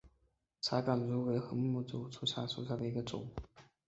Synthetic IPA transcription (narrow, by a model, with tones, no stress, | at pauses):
t͡sʰa˧˥kɑ˨˩nɻu˧˥we˧˥ɪxɤ˧˥m˥mu˥˩t͡su˨˩ʊʈ͡ʂʰu˥ɕja˥˩ʂu˨˩ɕja˥˩d̪ə˩i˧˥ɡə˧ʈ͡ʂʊ̰˨˩˦ŋ